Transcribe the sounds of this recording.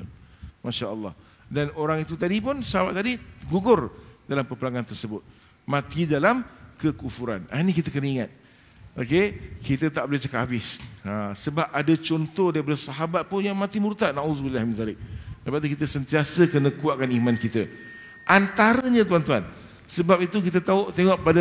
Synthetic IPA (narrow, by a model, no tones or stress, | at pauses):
maʃaʔəlˠːɑ̰h | danoɾaŋit̪ut̪adip̬ʊnsɑhabat̪̚ːadiɡuɡʊrdalampəpəlaŋant̪ərsəbʊt̪̚ | mãt̪idalamkəkufuɾa̰nanikit̪əkənəiŋat̪̚ | ʔokekit̪ət̪aʔbəlɪht͡ʃakaabɪsasəbap̚adat͡ʃɔnt̪ɔhdaɾip̬adəsaɦabat̪̚pʊnjaŋmãt̪imuɾt̪aʔnaʔuzbilahimt̪aɾɪʔ̚dəpaʔt̪̬ukit̪̬əsənt̪iasəkənə̃kuaʔ̚kanimãnkit̪ə | ʔant̪aɾəɲãt̪̬uant̪uan | səbap̚it̪uk̬it̪ət̪aut̪eŋɔʔpada